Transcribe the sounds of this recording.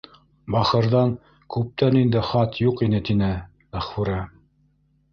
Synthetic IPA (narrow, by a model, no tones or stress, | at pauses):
bɑχɤ̆ɾðɑn | kʉp̚t̪ænind̪ɘχɑt̪juqinɘt̪inɘ | mæχfuɾɑ